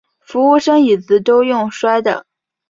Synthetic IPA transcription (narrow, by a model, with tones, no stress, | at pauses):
fu˧˥u˥˧ʂɤ˥ŋi˨˩t͡sɹ̩˥t̪o˥ʊjʊ˥˩ŋʂwa˥ɪd̪ə̰˨